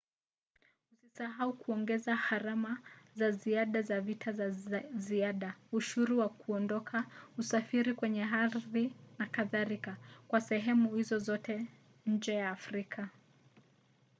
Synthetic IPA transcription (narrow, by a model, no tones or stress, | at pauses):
husisaɦaukuɔŋɡɛzahaɾamazaziaɗazavitʰazaziaɗauʃuɾuwakuɔndɔkʰausafiɾikwɛɲɛɦaðinakaðaɾikakwasɛɦɛmuhizɔzɔtɛ | ɲ̩d͡ʒɛjaːfɾikʰa